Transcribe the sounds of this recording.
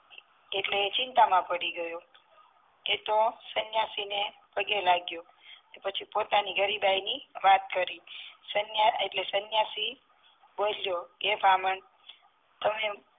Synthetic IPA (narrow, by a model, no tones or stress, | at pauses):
eʈlet͡ʃɪnt̪amãpəɽiɡəjo | et̪osənjasine | pəɡelaɡjo | epət͡ʃʰipot̪aniɡʱəɾibajniʋat̪̚kəɾisənjaeʈlesənjasi | boljoebʱaməɳ | t̪əme